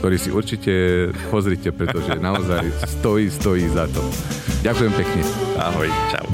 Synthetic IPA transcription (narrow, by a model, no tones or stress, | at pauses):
t̪ɔɾiːsiʔuɾt͡ʃicɛpɔzɾiːcɛpɾɛt̪ɔʒɛnaɔzajst̪ɔjiːst̪ɔjiːzat̪ɔ | ɟakujɛmpɛkɲɛa̰ɦɔjt͡ʃa̰ʊ